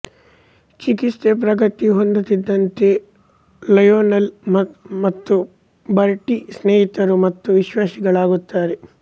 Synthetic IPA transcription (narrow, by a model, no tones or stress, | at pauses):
t͡ʃikist̪epɾɐɡɐt̪iɦond̪ut̪id̪ːɐnt̪e̞ | lɐjoːnɐlmɐmɐt̪ːu | bɐɾʈisneːɦit̪ɐɾumɐt̪ːuʋiʃʋaːsiɡɐɭaːɡut̪ːaːɾe